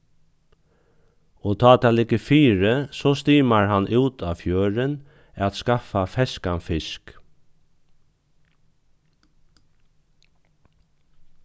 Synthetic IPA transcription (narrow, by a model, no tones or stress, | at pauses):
ɔt̪ʰɑːt̪ʰaːlɪkːəfiːɾəsɔst̪iːmaɹɦanːʔuːt̪aːfjøːɾɪn | ɛt̪skafafɛskanfɪsk